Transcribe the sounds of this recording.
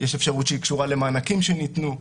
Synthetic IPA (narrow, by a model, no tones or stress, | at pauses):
jeʃe̞fʃaʁutʃeikʃuʁalemaːnakimʃenit̪nu